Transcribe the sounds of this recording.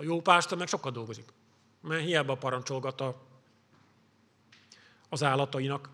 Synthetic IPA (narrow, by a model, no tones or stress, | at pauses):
ɒjoːpaːʃt̪omɛkʃo̞kːɒd̪d̪o̞lɡozik | mɛɦijaːbɒpɒɾɒnt͡ʃo̞lɡɒt̪ɒ | ɒzaːlːɒt̪ɒinɒk